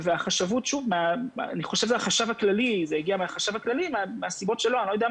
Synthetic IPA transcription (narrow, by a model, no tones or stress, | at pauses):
veaχaʃavutʃuvmeaniχo̞ʃevʃeaχaʃavaklalizejeɡiameaχaʃavaklalimeameasibo̞tʃeloanilojd̪ea